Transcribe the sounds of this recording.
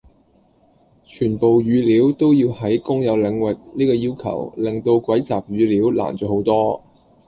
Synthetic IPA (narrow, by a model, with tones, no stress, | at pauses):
t͡ʃʰyː˨˩npo˨wjyː˨˧liː˨˥wt̪o˥wjiː˧whɐ˨˥jkʊ˥ŋjɐ˨˧wlɪ˨˧ŋwɪ˨k̚niː˥kɔː˧jiː˥wkʰɐ̰˨˩wlɪ˨˩ŋt̪o˧wkʷɐ˨˥jt͡saː˨p̚jyː˨˧liː˨˥wla̰ː˨˩nt͡ʃɔː˨˥ho˨˥wt̪ɔː˥